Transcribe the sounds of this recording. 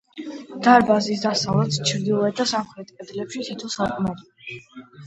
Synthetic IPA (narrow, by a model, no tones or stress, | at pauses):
d̪̥aɾbazis̬d̪asavlɛt̪st͡ʃʰɾd̪ilˠɔɛd̪asamχɾɛt̪ʰʼkʼɛd̪lɛpʃit̪ʰit̪ʰɔsakʼmɛd̪